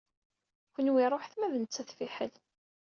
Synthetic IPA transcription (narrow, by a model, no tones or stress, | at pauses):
kʷənwiɾˤoħθmæðnət͡sːæθfiħəl